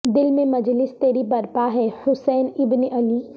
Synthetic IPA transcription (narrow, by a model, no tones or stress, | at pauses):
d̪ɪlmẽmɐd͡ʒlɪst̪eːɾibɐɾpaɦɛhʊsɛːnɪbneʔɐli